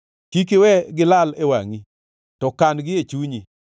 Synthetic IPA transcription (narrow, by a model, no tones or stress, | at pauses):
kik̬ewɛɡɪlalewaŋi | tɔkanɡɪet͡ʃuɲi